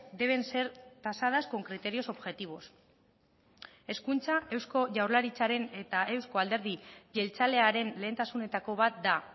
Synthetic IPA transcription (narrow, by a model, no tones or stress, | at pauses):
d̪e̞β̞e̞nse̞ɾt̪asað̞askoŋkɾit̪e̞ɾio̞so̞βʝe̞t̪iβ̞o̞s | e̞skunt͡saʔe̞wsko̞ʝawɾlaɾit͡saɾe̞ne̞t̪ae̞wsko̞ald̪e̞ɾð̞iʝe̞lt͡sale̞aɾe̞nle̞ːnt̪asune̞t̪ako̞βat̪̚d̪a